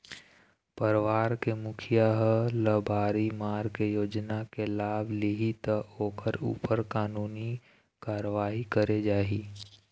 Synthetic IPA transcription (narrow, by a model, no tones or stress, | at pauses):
pəɾʋaːɾkemʊkʰijaɦləbaːɾimaːɾkejoːd͡ʒnakelaːblɪɦit̪əoːkʰəɾṵːpəɾkaːnuːni | kaːɾəʋaːɦikəɾed͡ʒaːɦiː